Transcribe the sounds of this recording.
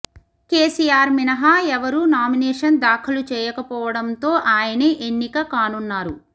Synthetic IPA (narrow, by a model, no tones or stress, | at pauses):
keːsiːjaːɾminɐɦaːɛʋɐɾunaːminɛːʂɐnd̪aːkʰɐlut͡ʃɛːjɐkɐpɔːʋɐɽɐnt̪o̞ːʔaːjɐneʔenːikɐkaːnunːaːɾu